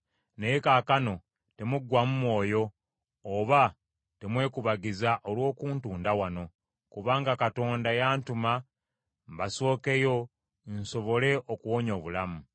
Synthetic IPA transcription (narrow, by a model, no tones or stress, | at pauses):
nejekakano̞ | te̞muɡwamumwo̞ːjo̞ː | βa | te̞mwe̞ːkuβaɡizaʔolwo̞ːkuːntuːndawano̞ | kuβaːŋɡakato̞ːndajaːntuma | mbaso̞ːke̞jo̞ | nso̞βo̞le̞ʔokuwo̞ɲo̞ːβulamu